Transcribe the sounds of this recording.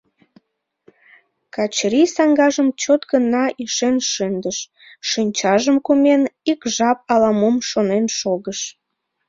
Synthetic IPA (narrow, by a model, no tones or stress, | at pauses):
kɑt͡ɕɾisɑŋɡɑʒəmt͡ɕot̪ɡənːɑʔiʃenʃønd̪əʃ | ʃɨnʲt͡ɕɑʒəmkumenikʒɑp̚ɑlɑmomʃonenʃoɣəʃ